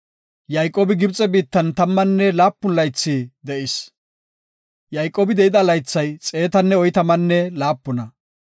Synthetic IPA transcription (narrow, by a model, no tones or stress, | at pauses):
jɐjkʼːoːbɪɡɪbt͡sʼɛbiːt̪ːɐnt̪ɐmːɐnːɛlaːpːʊnlɐjt͡sːiːd̪ɛʔɪs | jɐjkʼːoːbɪd̪ɛɪd̪ɐlɐjt͡sːɐjt͡sʼe̞ːt̪ɐnːɛɔjt̪ɐmɐnːɛlaːpːʊnɐ